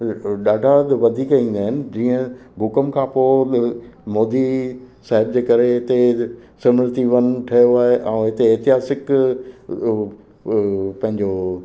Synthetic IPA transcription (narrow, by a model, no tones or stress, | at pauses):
ɗaːɖʱad̪ʋɐd̪ʱiːkaĩːn̆d̪aːɦɪnɪ̆d͡ʑiːə̃bʱʊkəmkʰãːpoː | moːd̪i | saːɦɪbd͡ʑeːkɐɾeɦɪt̪esɐmɪɾt̪iʋɐn̆ʈʰɐjoaːɦeʔãũɦɪt̪eːt̪ɪɦaːsɪk | pɐ̃ɦɪ̃ɲd͡ʑo